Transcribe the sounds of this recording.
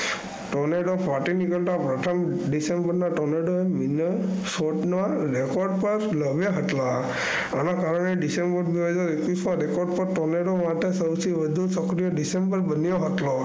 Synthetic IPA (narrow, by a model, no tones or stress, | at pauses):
ʈɔneɖɔpaʈinikɔlʈapɾɔt̪ʰɔmɖisembəɾnaʈɔneɖɔeminə | soʈna | ɾekɔɾɖpɔɾlɔbjaɦət̪la | anakaɾɔñeɖisembɔɾbibed͡ʒɔɾekusaɾekɔɾɖ̚pɔʈɔneɖɔmat̪esɔwsibəd̪ʱusɔkɾijɔɖisembəɾbənijɔɦɔt̪lɔ